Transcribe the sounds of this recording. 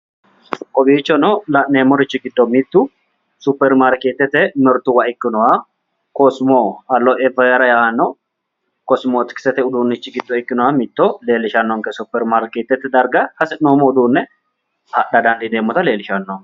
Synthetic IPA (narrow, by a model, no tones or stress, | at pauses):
kʼɔbiːt͡ʃːɔnɔlɐʔneːmːɔɾɪt͡ʃːɪɡɪd̪ːɔmɪt̪ːʊ | sʊpːɛɾmaɾkeːt̪ːɛt̪ːɛmɛɾt̪ʊwɐɪkːɪnɔwa | kɔsmoːɐlːɔʔɛvɐjɐɾɐjanːɔ | kɔsmoːt̪ɪ̥kɪ̥sɛt̪ɛʊd̪uːnːɪt͡ʃːɪɡɪd̪ːɔɪkːɪnɔwamɪt̪ːɔle̞ːlɪʃɐnːɔŋkɛsʊpːɛɾmaɾkeːt̪ːɛt̪ːɛd̪ɐɾɡɐhɐsɛnoːmɔʊd̪uːnːɛ | hɐɗɐd̪ɐnd̪ɪd̪eːmːɔt̪ɐle̞ːlɪʃɐnːɔ